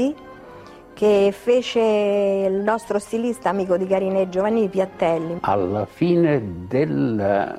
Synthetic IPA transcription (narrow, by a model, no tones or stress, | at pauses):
i | k̟efeːt͡ʃelnɔst̪ɾost̪ilist̪aːmiːkod̪ikaɾined͡ʒːovanːipjat̪ːɛlːia̰lːafiːned̪el